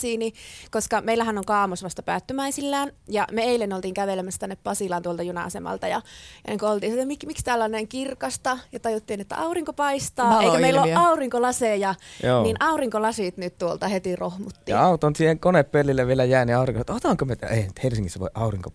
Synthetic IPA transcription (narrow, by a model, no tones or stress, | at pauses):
siːnikoskɑmeilːˑæhænoŋkɑːmosʋɑst̪ɑpæːt̪ːømæisilːæːnjɑmeeilːenːolt̪iːŋkæʋelemæsːt̪ænːeppɑsiˑlɑːnt̪uolt̪ɑjunɑ̰ɑsemɑ̰lt̪ɑjɑjɑneŋkuolt̪iːnsit̪ːemikmikst̪æːlːɑneŋkirkɑst̪ɑjɑt̪ɑjut̪ːiːnet̪ːæ̰ʔɑuriŋkopɑist̪ɑːeˑikæmeilːoɑuriŋkolɑseˑjɑjoːninʔɑuriŋkolɑsit̪nyt̪t̪uolt̪ɑhet̪irohmut̪ːijɑ̰ɑut̪onsiːheŋkoneppelːilːeʋʋielæjæˑːniɑˑuriŋkosɑt̪ot̪ɑˑŋkømet̪eˑihænyt̪helsiŋːisːæʋo̰iʔɑuriŋko̰